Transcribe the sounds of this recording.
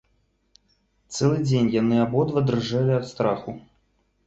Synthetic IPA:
t̪sɛlˠɨd͡zʲenʲjanɨabɔd̪vɐd̪rɨʐalʲiat̪st̪ɾaxu

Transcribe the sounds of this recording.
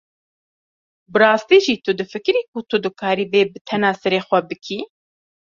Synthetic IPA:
bɨrɑːst̪iːʒiːt̪ʊd̪ɨfɨkɨɾiːkut̪ʊd̪ɨkʰaːɾiːveːbɨt̪ʰɛnaːsɛɾeːxʷɛbɨkʰiː

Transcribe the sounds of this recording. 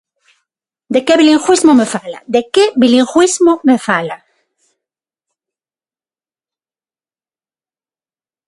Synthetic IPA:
d̪ekeβiliŋxwizmomefala̰d̪ekebiliŋxwismomefala

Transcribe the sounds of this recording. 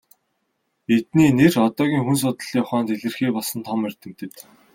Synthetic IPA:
et̪niːnerɔt̪ɔːɣʲiːŋxuns̬ʊt̪ə̆ɮjɔχɔːnt̪eɮɘ̆rxiːpɔɮsɞ̆nt̪ʰɔmer̥ʲt̪ɘ̆m̥t̪ɘ̆t̪

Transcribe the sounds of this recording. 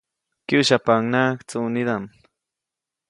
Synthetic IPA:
kiʃapaŋnakt͡suːnid̪an

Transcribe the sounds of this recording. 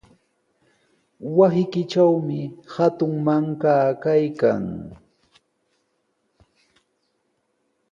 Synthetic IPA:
wasɪkɪt͡ʃawmɪhat̪ʊŋmaŋkaːkajka̰ŋ

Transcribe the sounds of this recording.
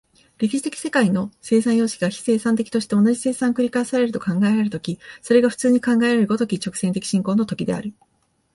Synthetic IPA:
ɾʲe̞kʲi̥ɕi̥t̪e̞kʲi̥se̞kaino̞se̞ːsãɰ̃jo̞ːɕkʲiɡaçi̥se̞ːsãnt̪̬e̞kʲi̥t̪o̞ɕi̥t̪e̞o̞naʑise̞ːsãŋkɯ̟ɾʲikaesaɾe̞ɾɯ̟t̪o̞kãŋɡae̞ɾaɾɯ̟t̪o̞kʲiso̞ɾe̞ɡaɸɯ̟̥t͡sɨːɲ̟ikãŋɡaeɾaɾɯ̟ɡo̞t̪o̞kʲit͡ɕo̞kɯ̟̥sent̪eki̥ɕĩŋko̞ːnot̪okʲid̪e̞̰a̰ɾɯ̟

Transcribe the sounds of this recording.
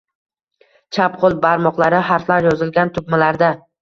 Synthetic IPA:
t͡ʃʰapqʰolˠbaɾmɒqlˠaɾɪhaɾflaɾjɒzɪlɡʲant̪ʰʊbmalaɾd̪a

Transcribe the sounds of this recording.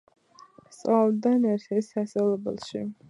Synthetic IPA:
st͡sʼad̪anɛɾt̪ʰɛsasɛlɛbɛ̰lˠʃḭ

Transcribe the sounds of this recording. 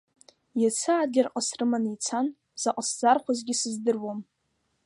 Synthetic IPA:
jat͡sʰaːdɡʲarqʼasrɨmanejt͡sʰan | z̥aqʼasd͡zarχʷʰazɡʲɪsɨzdɨrwom

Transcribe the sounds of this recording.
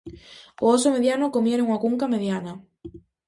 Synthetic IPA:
oosomeðjanokomjeɾoŋakuŋkameðjanɐ

